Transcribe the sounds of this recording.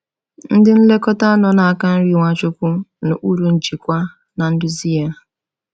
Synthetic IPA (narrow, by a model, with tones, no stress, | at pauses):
n̩˦dɪ˦n̩˦le˦kɔ˦ta˦a˦nɔ˨na˨a˨ka˦n̩˦ɾi˨ŋʷa˦t͡ʃʊ˦kʷʊ˦nʊ˨ʔu˦ɾu˨n̩˨d͡ʒi˨kʷa˦ | na˨n̩˦dʊ˦zi˦ja˦